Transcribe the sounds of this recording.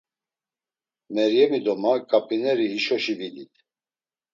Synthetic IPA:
mɛɾjɛmid̪ɔmakʼapʰʼinɛɾihiʃɔʃivilit̪

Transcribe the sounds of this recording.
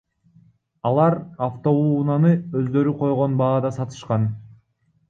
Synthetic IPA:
ɑlˠɑɾaft̪o̞unɑnɯøzd̪ø̞ɾyqʰo̞jʁo̞nbɑːd̪ɑsɑt̪ɯ̥ʃqɑn

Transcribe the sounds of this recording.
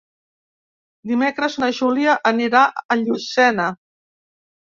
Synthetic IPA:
d̪imekɾəznəʒuliəʔəniɾaʔəʎusɛnə

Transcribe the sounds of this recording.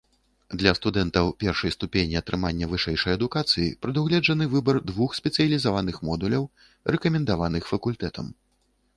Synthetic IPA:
d̪lʲɐst̪ud̪ɛnt̪ɐwpʲɛrʂɐjst̪upʲenʲiɐt̪ɾɨmanʲːɐvɨʂɛjʂɐjɐd̪ukat̪sɨjḭpɾɨd̪uwɣlʲɛd͡ʐɐnɨvɨbɐrd̪vuxsʲpʲɛt̪sɨjɐlʲizavanɨxmɔd̪ulʲɐw | rɛkɐmʲɛnd̪avanɨxfɐkulʲt̪ɛt̪ɐ̰m

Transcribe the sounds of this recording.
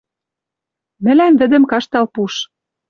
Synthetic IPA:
mɘ̆lænvɘ̆d̪ə̆mkɑʃt̪ɑlpuʃ

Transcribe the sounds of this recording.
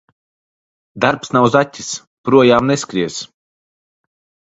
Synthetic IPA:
d̪aɾpsnawzatʲːi̥s | pɾuɔjaːmneskɾiɛs

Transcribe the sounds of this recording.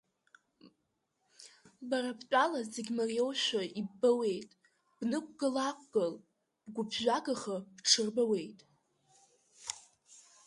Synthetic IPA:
baɾapʰt͡pʼalazeɡʲmarijowʃᶣʷaibːawe̞jtʼ | b̥nɨkʷʼɡɨlakʷʰʼɡ̥ɨl | b̥ɡʷʊbʰʒʷᶣaɡaχab̥ʈ͡ʂʰɨrbawe̞jtʼ

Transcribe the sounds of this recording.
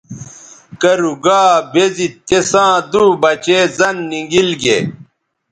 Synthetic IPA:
kɐɾuɡaːbezit̪ːesãːd̪uːbɐt͡ɕeːzɐnːiŋɡilɡe

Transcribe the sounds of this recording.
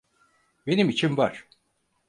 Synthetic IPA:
be̞nimit͡ʃʰinvaɾ̥

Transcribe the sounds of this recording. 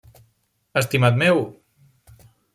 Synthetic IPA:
əst̪imat̪mew

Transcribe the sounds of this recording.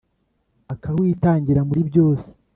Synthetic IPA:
akawiːtaːɲɟiɾamuɾibjo̞ːse̥

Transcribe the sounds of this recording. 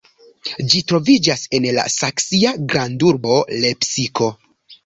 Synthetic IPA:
d͡ʒitɾo̞vid͡ʒase̞nla̰saksiaɡɾanduɾbo̞le̞psiko̞

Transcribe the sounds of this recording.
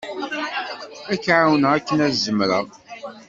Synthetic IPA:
ækːʕawənəækːənæzəmɾəʁ

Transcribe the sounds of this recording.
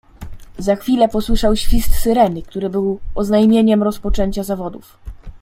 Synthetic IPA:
zaxfʲilɛpɔswɘʂawɕfʲist̪sɘɾɛnɘk̚t̪uɾɘbɘwɔznajmʲjeɲɛmɾɔspɔt͡ʂɛɲt͡ɕazavɔd̪uf

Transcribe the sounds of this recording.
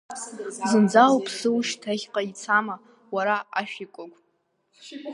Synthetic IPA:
zɨnd͡zalpʰsɨwʃtʰaχʲqʼait͡sʰama | waɾaaʃᶣikʷʼʊkʷʼ

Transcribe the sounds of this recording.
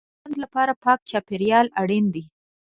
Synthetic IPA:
and̪lapɑɾapɑk̚t͡ʃɑpeɾjɑlaɽind̪i

